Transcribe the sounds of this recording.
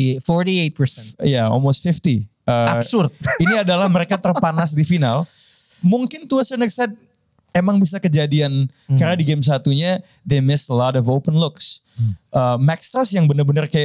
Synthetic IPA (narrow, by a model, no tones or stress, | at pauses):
fɔɹtiet̪̚pəsɛijaɔ̰lmost̪fɪft̪iʔəasʊrt̪̚iniadalahməɾekat̪ərpanasdifinal | muŋkɪnt̪uasənəksad̚ | emaŋbisakəd͡ʒadiankaɾnadiɡems̬at̪uɲa | demɪsəlɔdɔfopənlʊks | ʔəmɛkst̪əsjaŋbənərbənərkaja